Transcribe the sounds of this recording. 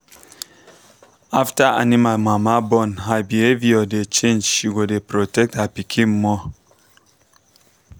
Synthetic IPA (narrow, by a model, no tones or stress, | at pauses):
aftaa̰nimamamabɔnhabieviɔdet͡ʃẽnd͡ʒʃiɡodepɾotɛk̚tapikʰim̩mɔ